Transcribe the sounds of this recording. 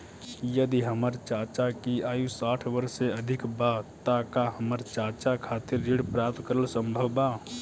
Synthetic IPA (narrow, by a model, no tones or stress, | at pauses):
jəd̪iɦəməɾt͡ʃat͡ʃakiaːjũsaːʈʰʋəɾseəd̪ʱɪkbat̪akaɦəməɾt͡ʃaːt͡ʃakʰat̪iɾːiɽpɾaːp̚t̪kəɾəlsəmbʱəʋba